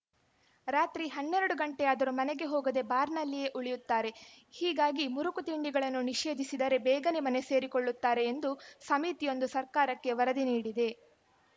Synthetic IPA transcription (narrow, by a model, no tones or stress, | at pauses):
ɾaːt̪ɾiɦɐnːeɾɐɽuɡɐɳʈɛjaːd̪ɐɾumɐneɡe̞ɦoːɡɐd̪e̞baːɾnɐlːije̞ʔuɭijut̪ːaːɾe̞hiːɡaːɡimuɾukut̪iɳɖiɡɐɭɐnːuniʂe̞ːd̪isid̪ɐɾe̞bɛːɡɐnemɐne̞se̞ːɾikoɭːut̪ːaːɾe̞ːnd̪usɐmiːt̪ijo̞nd̪usɐɾkaːɾɐkːe̞ʋɐɾɐd̪iniːɽid̪e̞